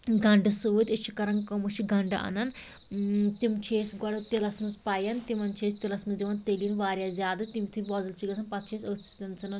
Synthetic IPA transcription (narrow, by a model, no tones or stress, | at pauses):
ɡɐɳɖɨsuʋit̪ʲit͡ʃʰːikɐɾɐŋkɐmɨt͡ʃʰiɡɐɳɖɐʔɐ̰nɐn | t̪imt͡ʃʰeːsɡɐɽɨt̪ilɐsmɨzpajɐnt̪imɐnt͡ʃʰeːst̪ilɐsmɨzd̪iʋɐnt̪eliːnʋaːɾjaːzʲjaːd̪ɨt̪imit̪ʰuʋɔːzɐlt͡ʃʰiɡɐsʰɐnpɐt̪̚ʰt͡ʃʰeːsʲəːt͡sit̪ɐnt͡sɐnɐn